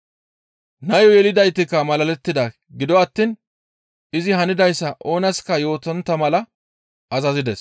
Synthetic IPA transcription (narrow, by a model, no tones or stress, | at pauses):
nɐjɔjɛlɪd̪ɐjt̪ːɪkːɐmɐlɐlɛt̪ːɪd̪ɐ | ɡɪd̪ɔɐt̪ːiːn | ɪzɪɦɐnɪd̪ɐjsːɐʔo̞ːnɐskːɐjo̞ːt̪ɔnt̪ːɐmɐlɐ | ɐzɐzɪd̪ɛs